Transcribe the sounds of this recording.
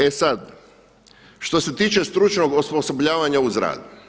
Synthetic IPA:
e̞sad̪ | ʃt̪o̞se̞t̪iːt͡ʃe̞st̪ɾut͡ʃnoɡospo̞so̞bʎaːʋaɲauzɾa̰ːd̪u

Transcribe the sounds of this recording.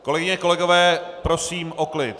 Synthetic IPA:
ko̞lɛɡɪɲɛko̞lɛɡo̞vɛːpɾosiːmʔoklɪt̪

